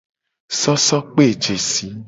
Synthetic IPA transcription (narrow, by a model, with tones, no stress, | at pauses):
sɔ˦sɔ˦k͡pe˦˨d͡ʒe˨si˨˦